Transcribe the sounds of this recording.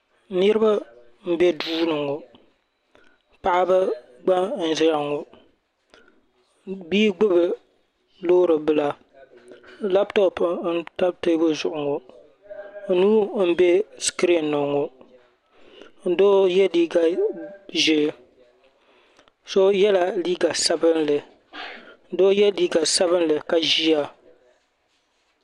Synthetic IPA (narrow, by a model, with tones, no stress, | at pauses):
nɨ˦ɾɨ˦ba˦ | m̩˦be˦duː˦nɨ˨ŋo˨ | pa˨ʔa˦bɨ˦ | ɡ͡ba˦n̩˨za˨ŋo˨ | biː˦ɡ͡bʊ˦bɨ˨ | loː˦ɾɨ˨bɨ˦la˨ | la˦ptɔ˦pn̩˦ta˦bte˦bʊ˦zʊ˨ʔʊ˨ŋo˨˦ | nuː˦m̩˦be˦skɾi˦˨nːɔ˨ŋo˨ | n̩˦doː˦jɛ˦liː˦ɡa˨ʒe˦ | so˦jɛ˦la˨liː˦ɡa˨sa˦bɨ˦nlɨ˨ | n̩˦doː˦jɛ˦liː˦ɡa˨sa˦βɨ˦nlɨ˨ka˨ʒi˦a˨